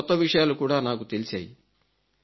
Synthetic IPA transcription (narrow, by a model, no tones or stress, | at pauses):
ɔt̪ːɐʋiʂɐjaːlukuːɽaːnaːkut̪e̞lisaːji